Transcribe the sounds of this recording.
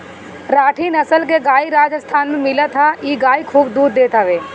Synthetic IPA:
ɾaːʈʰinɐsəlk̬eɡaːiɾaːd͡ʒəst̪ʰaːnmẽmɪlat̪ʰaiːɡaːikʰuːbd̪uːɾd̪eːt̪ʰaʋeː

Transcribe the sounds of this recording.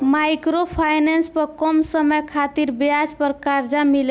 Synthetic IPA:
majkɾopʰajnanspəɾkɔmsəməjkʰat̪iɾbjad͡ʒpəɾkaɾd͡ʒamil

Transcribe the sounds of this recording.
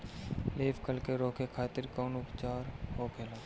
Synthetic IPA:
leːpkəlkeɾoːkekʰaːt̪ɪɾkoːnʊpt͡ʃaːɾhoːkʰeːlaː

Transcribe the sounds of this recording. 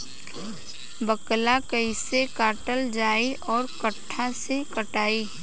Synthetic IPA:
bəklakəɪsekaːʈəld͡ʒaːiʔɔːɾkəʈʰːasekəʈaːiː

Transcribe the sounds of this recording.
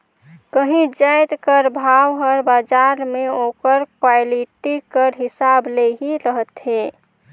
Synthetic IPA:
kəɦĩd͡ʒəjt̪kəɾbʱawɦəɔɾbad͡ʒaɾmeokəɾkwaɪliʈikəɾɦɪsableɦiɾəɦət̪ɦe

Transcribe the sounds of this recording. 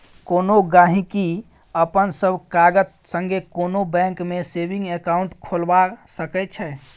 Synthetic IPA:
konoɡãɦĩki | əpənsəbʱkaɡət̪səŋɡekonobɛ̃ŋkmesebĩŋɡekauɳʈkʰolbasəkɛt͡ʃʰɛ

